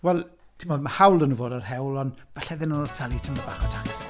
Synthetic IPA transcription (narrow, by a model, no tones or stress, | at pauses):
wɛlˠ | tʰɪmoːdmahawlˠdənuːvoːdarɦɛwlˠɔnvaɬɛðɪnunɔtʰalˠitʰəmabaːχɔtʰaŋas